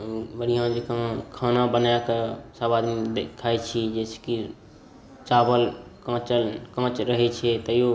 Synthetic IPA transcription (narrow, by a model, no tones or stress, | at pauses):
bəɾijãd͡ʒekãkʰanabənajakesabad̪md̪ekʰajt͡ʃʰid͡ʒɛse̥ki | t͡ʃabəlkãt͡ʃəlkãt͡ʃɾəɦɛt͡ʃʰɛt̪əjo